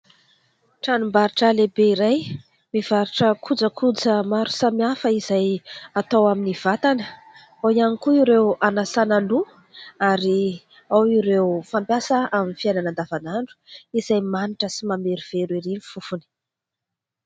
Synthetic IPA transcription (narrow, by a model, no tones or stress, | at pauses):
ʈ͡ʂanumbaɾiʈ͡ʂəlebeiɾaj | miv̥aɾiʈ͡ʂəkʰud͡zəkʰud͡zəmaɾu̥samiafəiz̥ajat̪awaminiv̥at̪anə | awianikuiɾewanasanalu | aɾi | awiɾewfampjasəaminifiananand̪avanaɳɖ͡ʐu̥iz̥ajmaniʈ͡ʂəsimameɾiv̥eɾweɾinifufuni̥